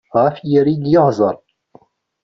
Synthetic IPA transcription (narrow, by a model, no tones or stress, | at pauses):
ʁæfjəɾinjəhzˤɑɾˤ